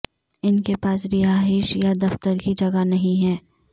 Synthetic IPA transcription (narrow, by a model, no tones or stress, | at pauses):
ɪnkepaːsɾɪaːɦɪʃjad̪ɐft̪əɾkid͡ʒɐɡanɐɦĩɦɛː